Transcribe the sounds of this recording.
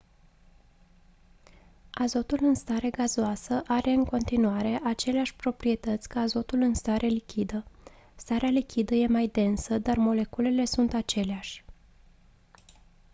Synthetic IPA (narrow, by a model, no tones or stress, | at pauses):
azo̞t̪ulɨnst̪aɾe̞ɡazoasəʔaɾe̞ɨŋko̞nt̪inuaɾe̞ʔat͡ʃe̞leaʃʲpɾo̞pɾie̞t̪ət̪sʲkaːzo̞t̪ulɨnst̪aɾʔe̞likʲid̪ə | st̪aɾealikʲʰid̪əje̞majd̪e̞nsəd̪armo̞le̞kule̞le̞sunt̪at͡ʃe̞leaʃʲ